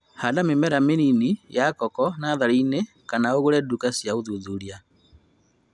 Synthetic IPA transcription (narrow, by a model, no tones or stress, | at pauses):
hadamemɛɾameninijakɔkɔnaðaɾine | kanaoɣoɾɛdukasjaoðuðuɾja